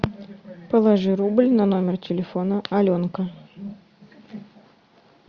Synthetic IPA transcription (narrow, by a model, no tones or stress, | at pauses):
pəlˠɐʐɨɾublʲnɐno̞mʲɪrtʲɪlʲɪfonəɐlʲonkə